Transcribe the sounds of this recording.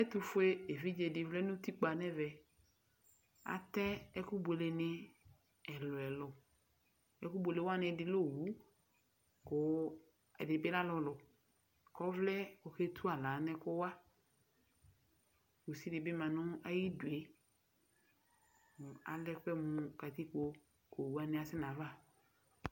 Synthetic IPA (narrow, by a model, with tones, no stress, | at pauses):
ɛ˦t̪u˦fʊ˦e˦e˨vi˦d͡ʒe˨dɪ˨vlɛ˦nũ˦t̪i˦k͡pa˨nɛ̃˦vɛ˨ | a̰˨t̪ɛ˦ɛ˦ku˦bo˨le˨nɛ̃˦ | ɛ˨lɔ˨ɛ˨lʊ˨ | ɛ̰˦ku˦bo˨le˨wa˦nɛ̃˨dɪ˨lo˦˨wu˨˦ | ko˨˦ | ɛ̰˨dɪ˨be˦la˦lɔ˨lɔ˨ | kɔ˦vlɛ˦o˨ke˦t̪ʰu˦a˨la˨˦nɛ̃˦kʊ˦wa˦ | ko˨si˦dɪ˨bɪ˦mã˨nʊ̃˦a˦ji˦du˨e˨ | mʊ˨a̰˨lɛ˦k͡pɛ˦mʊ̃˨ka˨t̪i˦ko˦ | ko˨wu˨˦a˦nɪ̃˦a˨sɪ˦nã˨va˦˨